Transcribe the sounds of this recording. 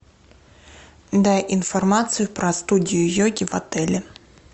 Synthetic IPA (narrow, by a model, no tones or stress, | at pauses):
d̪ajʔinfɐrmat̪sɨjʊpɾɐst̪udʲijʊjɔɡʲivɐt̪ɛlʲɛ